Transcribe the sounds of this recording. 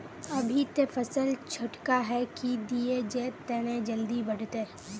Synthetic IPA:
ɐbʱit̪efɐsəlt͡ʃʰʊʈkaɦɛkid̪ied͡ʒɛːt̪ɛːnẽd͡ʒɐld̪ibɐɽ̤t̪e

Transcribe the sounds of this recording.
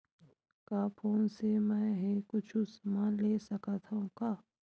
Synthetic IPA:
kaːpʰoːnsemɛ̃ːɦikʊt͡ʃʰʊsmãleːsɐkat̪ʰaũkaː

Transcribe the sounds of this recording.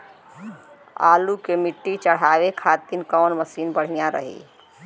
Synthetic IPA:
a̰ːlukemɪʈːit͡ʃəɽ̤aːʋekʰat̪inkɔːnməsiːnbəɽ̤ijãɾə̰ɦḭ

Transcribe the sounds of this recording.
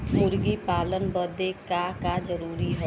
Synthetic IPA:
mʊɾɡipaːlənbəd̪ekakad͡ʒɐɾuːɾiɦoː

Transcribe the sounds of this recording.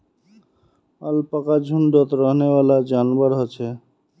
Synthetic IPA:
a̰lpakad͡ʑʱuɳɖɔt̪ɾɔɦnebalad͡ʑanbaɾɦot͡ɕʰe

